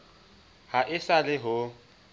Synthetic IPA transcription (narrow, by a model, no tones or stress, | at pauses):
haʔɪsalɪɦʊ